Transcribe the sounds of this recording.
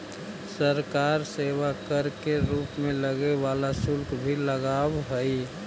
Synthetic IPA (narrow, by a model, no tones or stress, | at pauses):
səɾkaɾseʋakəɾkeɾuːpmẽləɡeʋalasʊlkʰbʱiləɡawɦəi